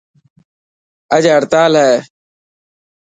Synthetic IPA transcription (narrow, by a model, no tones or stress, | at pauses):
əd͡ʒɦəɾt̪aːlɦɛː